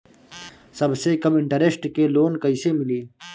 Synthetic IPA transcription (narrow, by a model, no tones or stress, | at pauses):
sɐbsekɐmɪɳʈɐɾesʈkeloːnkɐisemiliː